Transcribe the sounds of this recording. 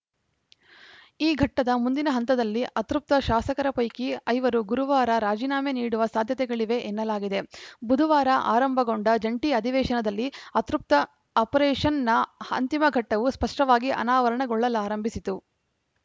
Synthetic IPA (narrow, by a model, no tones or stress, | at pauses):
iːɡʱɐʈːɐd̪ɐmund̪inɐɦɐnt̪ɐd̪ɐlːiʔɐt̪ɾup̚t̪ɐʃaːsɐkɐɾɐpɐjkiɐjʋɐɾuɡuɾuʋaːɾɐɾaːd͡ʒiːnaːmeniːɽuʋɐsaːd̪ʱjɐt̪ɛɡɐɭiʋe̞ʔenːɐlaːɡid̪e̞bud̪ʱuʋaːɾɐʔa̰ːɾɐmbʱɐɡo̞ɳɖɐd͡ʒɐɳʈiɐd̪ʱiʋɛːʃɐnɐd̪ɐlːiɐt̪ɾup̚t̪ɐː | pɐɾeːʂɐnːɐɐ̰nt̪imɐɡʱɐʈːɐʋuspɐʂʈɐʋaːɡiʔɐ̰naːʋɐɾɐɳɐɡɔɭːɐlaːɾɐmbʱisit̪u